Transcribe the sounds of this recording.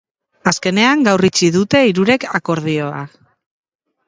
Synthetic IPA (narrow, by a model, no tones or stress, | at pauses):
aske̞ne̞aŋɡawrit͡siðut̪e̞iɾuɾe̞kako̞ɾð̞io̞a